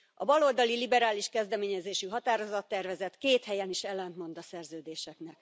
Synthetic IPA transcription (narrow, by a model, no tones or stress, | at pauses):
ɒbɒlo̞ld̪ɒlilibɛɾaːliʃkɛzd̪ɛmeːɲɛzeːʃyɦɒt̪aːɾo̞zɒt̪ːɛrvɛzɛt̪keːt̪hɛjɛniʃɛlːɛnt̪mo̞nd̪ɒsɛrzøːd̪eːʃɛknɛk